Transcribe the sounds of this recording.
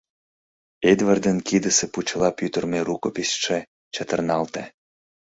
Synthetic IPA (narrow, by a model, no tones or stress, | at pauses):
ed̪vərd̪ənkid̪əseput͡ɕəlɑpyt̪ərmeɾukopisʃe | t͡ɕət̪ərnɑlt̪e